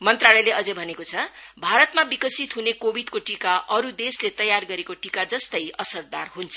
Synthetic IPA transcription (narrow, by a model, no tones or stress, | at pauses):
mʌnt̪ralʌjleʌd͡zʌbʱʌnekot͡sʰʌbʱaɾʌt̪mabikʌsit̪ɦunekobʱid̪koʈikaʔʌɾud̪eslet̪ʌjarɡʌɾekoʈikad͡zʌst̪ʌjʌsʌrd̪arɦunt͡sʰʌ